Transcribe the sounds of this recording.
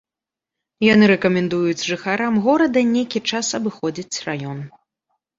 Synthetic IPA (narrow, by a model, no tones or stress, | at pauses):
janɨɾɛkɐmʲɛnd̪ujut͡sʲʐɨxaɾamɣɔɾɐd̪ɐnʲejkʲit͡ʂasɐbɨxɔd͡zʲit͡sʲrajɔn